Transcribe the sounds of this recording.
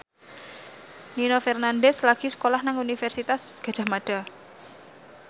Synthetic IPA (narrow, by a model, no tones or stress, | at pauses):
ninofɛrnandɛslaɡ̥i̤sə̥kolahnaŋunifɛrsit̪asɡ̥a̤̥ʒ̥a̤maɖ̥a̤